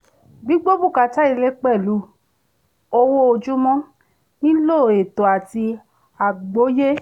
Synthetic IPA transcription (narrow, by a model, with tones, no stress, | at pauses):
ɡ͡bi˦ɡ͡bo˦bu˦˨ka˨˧ta˦i˧le˦k͡pɛ˦˨lu˨˦ | o˧wo˦o˧d͡ʒu˦mɔ̃˦ | nĩ˦lo˦˨e˨to˨a˨ti˧ | a˨ɡ͡bo˨˦je˦